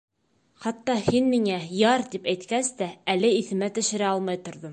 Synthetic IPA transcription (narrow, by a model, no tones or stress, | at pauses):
χɑt̪ːɑhinmiŋæjɑɾt̪ipæjt̪kæst̪æælɘiθɘ̆mæt̪ɘ̆ʃɘ̆ɾæɑlˠmɑjt̪ŏɾðɤm